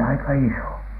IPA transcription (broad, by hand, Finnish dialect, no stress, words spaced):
ɑikɑ iso